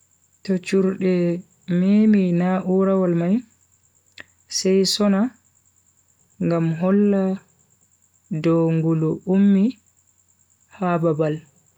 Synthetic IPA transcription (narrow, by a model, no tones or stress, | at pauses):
tɔt͡ʃuɾɗɛ | meminaʔuɾawalmaj | sɛjsɔna | ŋɡamɦɔlːa | dɔŋɡuluʔumːi | hababal